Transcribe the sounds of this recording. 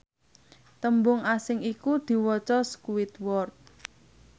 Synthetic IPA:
t̪əmbʊŋasɪŋikud̪̥i̤wɔt͡ʃɔskuwɪt̪wɔrt̪̚

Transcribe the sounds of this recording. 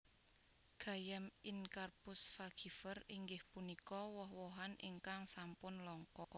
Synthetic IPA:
ɡ̥a̤jamɪnkarpʊsfaɡ̥i̤fəriŋɡɪhpunikɔwɔɦwɔɦanḭŋkaŋsampʊnlɔŋkɔ

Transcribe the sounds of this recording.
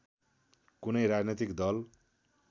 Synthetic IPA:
kunʌjɾad͡znit̪ikd̪ʌl

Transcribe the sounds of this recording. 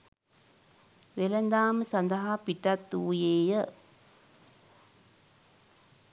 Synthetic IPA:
ʋelənd̪aːməsand̪əɦapiʈat̪ːuːjeːjə

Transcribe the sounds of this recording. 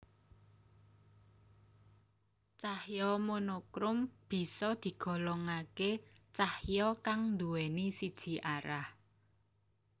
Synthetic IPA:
t͡ʃahjɔmonokɾʊmb̥i̤sɔd̪̥i̤ɡ̥ɔ̤lɔŋaket͡ʃahjɔkaŋnd̪uwenisid̥ʒ̥i̤ʔaɾah

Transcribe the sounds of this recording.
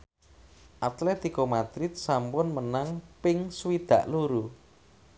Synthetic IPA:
ʔat̪let̪ikomad̪̥ɾɪt̪̚sampʊnmənaŋpɪŋswid̪̥ä̤ʔluɾu

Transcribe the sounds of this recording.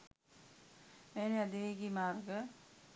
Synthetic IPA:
meːnead̪iʋeːɡimaːrɡə

